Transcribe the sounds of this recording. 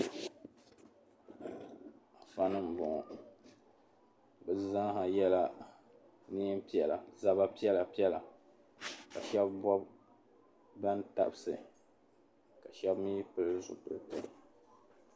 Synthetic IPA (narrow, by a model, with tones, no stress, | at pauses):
a˨fa˦nɨ˦m̩˨bɔ˨ŋ˨ | bɨ˨zã˦ɦa˨jɛ˦la˦ | ni˦m˦pi˦ɛ˨la̰˨za˦ba˦pi˦ɛ˦la˨pi˦ɛ˦la˨ | ka˨ʃɛ˦bbɔ˦b | ba˦nta̰˦˨bsɨ˨ | ka˨ʃɛ˦bmi˦pɨ˦lɨ˦zʊ̰˨tɨ˨ltɨ˦˨